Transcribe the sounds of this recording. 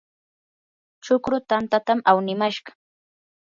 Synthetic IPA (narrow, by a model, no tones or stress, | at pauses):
t͡ʃʊkɾʊt̪ant̪at̪amawnɪmaʃɢɑ